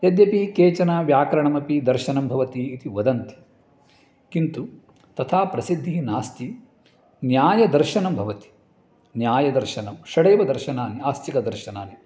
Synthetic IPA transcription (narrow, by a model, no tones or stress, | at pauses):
jɐd̪jɐpikeːt͡ʃɐnaːʋjaːkɐɾɐɳɐmɐpid̪ɐɾʃɐnɐmbʱɐʋɐt̪iːt̪iʋɐd̪ɐnt̪i̥ | kint̪u | t̪ɐt̪ʰaːpɾɐsid̪ʱːinaːst̪i | njaːjɐd̪ɐɾʃɐnɐmbʱɐʋɐt̪i̥ | njaːjɐd̪ɐɾʃɐnɐmʃɐɽeːʋɐd̪ɐɾʃɐnaːniaːst̪ʰikɐd̪ɐɾʃɐnaːni